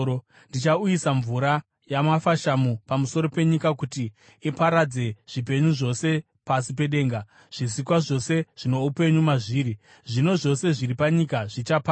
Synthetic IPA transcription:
ndit͡ʃaujisaɱvuɾa | jamafaʃamupamuso̞ɾo̞pe̞ɲikakuti | ipaɾad͡ze̞ʐ̥ip̬e̞ɲuʐo̞se̞ | pasipe̞ɗe̞ːŋɡa | ʐ̥is̬ikwaʐo̞se̞ʐ̥ino̞upe̞ɲumaʐiːɾi | ʐino̞ʐo̞se̞ʐiripaɲikaʐit͡ʃapa

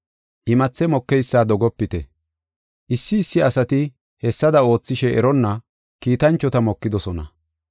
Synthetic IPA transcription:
ʔɪmɐt͡sːɛmɔkːɛjsːaːd̪ɔɡɔpːɪt̪ɛ | ʔɪsːɪːsːɪɐsɐt̪ɪ | hɛsːɐd̪ɐo̞ːt͡sːɪʃɛʔɛ̰ɾɔnːɐ | kiːt̪ɐnt͡ʃːɔt̪ɐmɔkːɪd̪ɔsɔnɐ̰

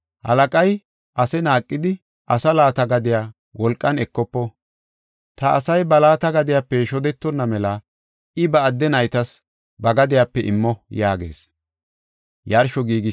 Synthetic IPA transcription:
hɐ̰lɐkʼɐj | ʔɐsɛnaːkʼːɪd̪ɪ | ʔɐsɐlaːt̪ɐɡɐd̪ɪjaː | wɔlkʼːɐnɛkːɔpːɔ | t̪ɐ̰ːsɐjbɐlaːt̪ɐɡɐd̪ɪjapːɛʃɔd̪ɛt̪ːɔnːɐmɛlɐ | ɪbɐːd̪ːɛnɐjt̪ɐs | bɐɡɐd̪ɪjapːɛʔɪ̰mːɔjaːɡe̞̰ːs | jɐɾʃɔɡiːɡɪ

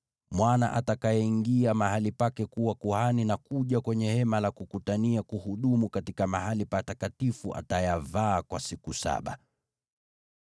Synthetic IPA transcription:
mwana̰ʔatakajɛiŋɡiamahalipakɛkuwakuhaninakuʄakwɛɲɛhɛmalakukutaniakuhuɗumukatikamahalipatakatifuʔa̰tajavaːkwasikusa̰ɓa̰

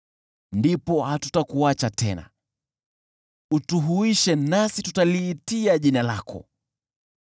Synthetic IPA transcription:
ndipɔhatu̥takuat͡ʃatɛ̰na̰ | utuɦuiʃɛnasitutaliːtiaʄinala̰kʰɔ̰

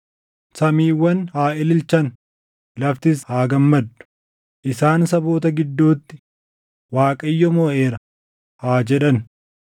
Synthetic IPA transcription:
sɐmiːwːɐnhaːʔɪlɪlt͡ʃɐn | lɐft̪ɪshaːɡɐmːɐd̪ːʊ̥ | ʔɪsaːnsɐbo̞ːt̪ɐɡɪd̪ːuːt̪ːɪ | waːkʼɐjːɔmɔːʔeːɾɐ | haːd͡ʒɛᶑɐn

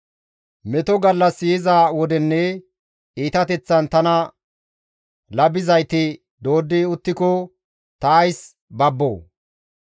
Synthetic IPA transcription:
mɛt̪ɔɡɐlːɐsɪjɪzaːwɔd̪ɛnːɛ | iːt̪ɐt̪ɛt͡sːɐnt̪ɐnɐ | lɐbɪzɐjt̪ɪ | d̪o̞ːd̪ːɪʊt̪ːɪkɔ | t̪ɐːjs | bɐbːo̰ː

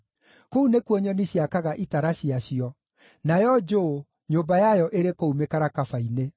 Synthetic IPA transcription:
kounekwɔɲɔniɕiakaɣaʔitaɾaɕiaɕiɔ | najɔd͡ʒo | ɲoːmbajajɔʔeɾekoumekaɾakafaine

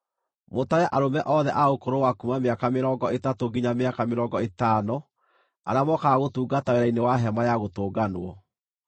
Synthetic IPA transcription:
motajaʔaɾomɛʔɔðɛʔaokoɾowakumameakameɾɔːŋɡɔetatoɡiɲameakameɾɔŋɡɔetaːno | a̰ɾamɔkaɣotuːɡataeɾainewaɦɛmajaɣotoːɡanwɔ

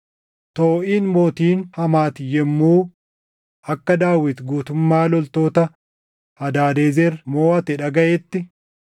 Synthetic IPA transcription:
t̪oːʔiːnmoːt̪iːnhɐmaːt̪ɪjɛmːuː | ʔɐkːɐd̪aːwɪt̪ɡuːt̪ʊmːaːlɔlt̪o̞ːt̪ɐ | hɐd̪aːd̪eːzɛɾmoːɐt̪ɪᶑɐɡɐʔɛt̪ːɪ

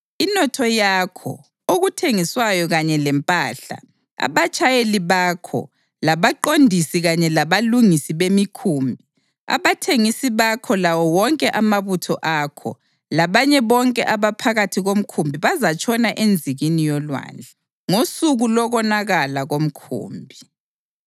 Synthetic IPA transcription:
inɔtʰɔjakʰɔ̰ | oɣutʰeŋiswajɔɣaɲɛlɛmpʼaːɬa̰ | a̰βat͡ʃʼajeliβakʰɔ̰ | laβaǃondʱisiɣaɲɛlaβaluŋisiβemikʰuːmbʱi | a̰βatʰeŋisiβakʰɔlawɔwɔŋkʼɛʔamaβutʰɔʔakʰɔ̰ | laβaɲɛβɔŋkʼɛʔaβapʰaɣatʰiɣom̩kʰumbʱiβazat͡ʃʰʼɔnaʔend͡zʱiɣinijɔlwa̰ːnd͡ɮʱɛ | ŋosuɣulɔɣɔnaɣalaɣom̩kʰṵːmbʱi

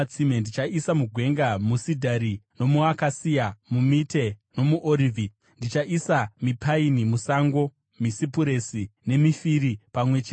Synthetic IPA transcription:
t͡simendit͡ʃaisamuɡʱwe̞ŋɡamusidʱaɾino̞muakasijamumite̞no̞muʔoɾivʱi | ndit͡ʃaʔisamipʰainimusaŋɡo̞ | misipuɾe̞sine̞mifiɾipamwe̞t͡ʃe

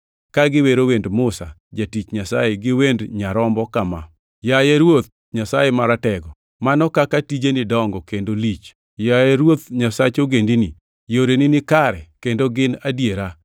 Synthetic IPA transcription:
kaɡɪweɾowendmʊsa̰d͡ʒatit͡ʃɲasaeɡɪwendɲaɾɔmbɔkama̰ | jajeɾwot̪̚ | ɲasajemaɾatɛɡɔ | manɔkakatid͡ʒenɪdɔŋɡɔkendolit͡ʃ | jajeɾwot̪ɲasat͡ʃoɡendini | joɾenɪnɪkaɾɛ̰kendoɡɪnadjeɾa

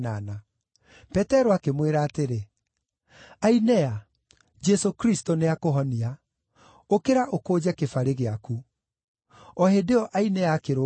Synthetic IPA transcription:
nana | pɛtɛɾoakemweɾaːteɾe | ainɛa | d͡ʒɛsokɾistoneakoɦɔnia | okeɾaʔokoːd͡ʑɛkefaɾeɣeaku | ɔɦedeɔʔainɛaːkeɾo

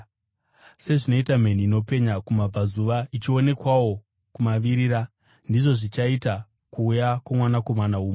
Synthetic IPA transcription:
se̞ʐino̞itam̤e̞niːno̞pe̞ɲakumab͡vazuʋait͡ʃio̞ne̞kwawo̞ | kumaʋiɾiɾa | ndiʐo̞ʐit͡ʃaita | kuːjakwamwanako̞manauːme

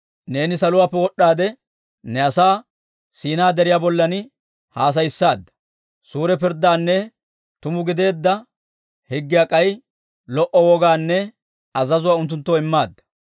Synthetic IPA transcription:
ne̞ːnɪsɐlʊwaːpːɛwɔɗːaːd̪ɛ | nɛɐsaː | siːnaːd̪ɛɾɪjaːbɔlːɐn | haːs̬ɐjɪsːaːd̪ːɐ̥ | suːɾɛpɪɾd̪ːaːnːɛ | t̪ʊmʊɡɪd̪e̞ːd̪ːɐ | hɪɡːɪjakʼɐj | lɔʔɔwɔɡaːnːɛ | ɐzɐzʊwaːʊnt̪̬ːʊnt̪ːoːɪmːaːd̪ːɐ̥

